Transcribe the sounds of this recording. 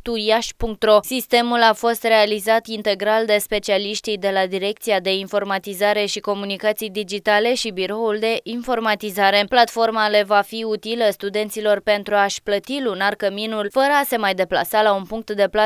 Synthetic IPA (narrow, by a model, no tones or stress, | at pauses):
t̪ujaʃʲpuŋk̚t̪ɾo̞sist̪e̞mulafo̞st̪re̞alizat̪int̪e̞ɡɾald̪e̞spe̞t͡ʃialiʃt̪ijd̪e̞lad̪iɾe̞k̚t̪siad̪e̞info̞rmat̪izaɾe̞ʃiko̞munikat̪sijd̪id͡ʒit̪ale̞ʃibiɾo̞uld̪e̞ʔinfo̞rmat̪izaɾe̞plat̪fo̞rmale̞vafiut̪iləst̪ud̪e̞nt̪silo̞rpe̞nt̪ɾuaʃplət̪ilunarkəminulfəɾəase̞majd̪e̞pla̰salaunpuŋk̚t̪d̪e̞pla